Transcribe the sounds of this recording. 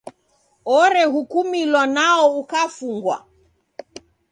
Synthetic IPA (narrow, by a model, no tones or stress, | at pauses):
ɔɾɛhukumilwanaɔukafuŋɡwa̰